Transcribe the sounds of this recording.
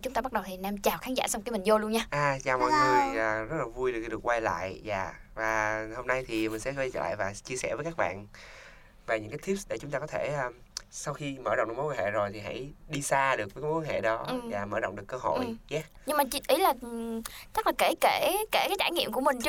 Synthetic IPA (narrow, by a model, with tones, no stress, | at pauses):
t͡ɕʊ˨˦ŋ͡mt̪a˧˦˥ɗə˨˩wt̪ʰi˨˩naː˧mt͡ɕaː˨˩wxaː˨˦ŋza̰ː˧˩sa˧wŋ͡mki˧˦mi˨˩ŋzo˧lu˧ənɲaː˧ʔaː˨˩t͡ɕaː˨˩wmɔ̰˧˨˩ŋɨ˨˧˩əjəː˨˩zə˦˥t̚laː˨˩vu˧jɗɨ˨˩˧ɗɨ˨˩ə˩kːwa˧jla̰ː˧˨jza̰ː˧˨vaː˨˩ho˧mna˧jt̪ʰi˨˩mi̟˨˩sɛ̰˧˥˧t͡ɕəː˧˩la̰ː˧˨jvaː˨˩t͡ɕi˧əsɛ˧˩vəː˨˦jkaː˦˥k̚ɓa̰ː˧˨n | vaː˨˩ɲɨ̰˧˥ŋkaː˦t̪ʰi˦˥psɗḛ˧˩t͡ɕʊ˨˦ŋ͡mt̪aː˧kɔ˨˦t̪ʰe˧˩ʔː | sa˧wxi˧məː˧˩ɗ̰wŋ͡mɗɨ˨˦˨wa˧˦hḛ˧˨zo˨˩jt̪ʰi˨˩ɦa̰˧˥jɗi˧saː˧ɗɨ˨˩k̚vːkːwhḛ˧˨ɗɔ˨˦˨vaː˨˩məː˧˩zo̰˧˨wŋ͡mɗɨ˨˩əkːəː˧ɦo̰˧˨jzaː˨˦ | ɲɨ˧ŋmaː˨˩t͡ɕi˧˦ʔi˨˦laː˨˩ | t͡ɕə˦˥k̚laː˨˩ke˧˩ke˧˩ke˧˩kaː˨˦jt͡ɕaː˧˩jŋḭ˧˨əmku˧˩əmï˨˩ŋ̟t͡ɕ